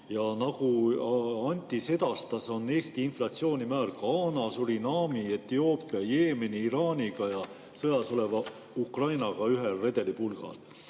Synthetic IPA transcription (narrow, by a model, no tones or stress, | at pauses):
jɑnɑɡ̥u | ɑnʲt̪ʲːˑise̞d̪̥ɑst̪ɑso̞nːe̞ːst̪iːnflɑt̪sio̞ːnʲimæːrkɑːnɑsoɾinɑːmie̞t̪ːio̞ːpːˑiɑje̞ːme̞niːɾɑːnʲiɡ̥ɑjɑ | sɤjɑso̞le̞vɑ | ukrɑjnɑɡ̥ɑyɦelre̞d̪̥e̞lipulɡ̥ɑ̰l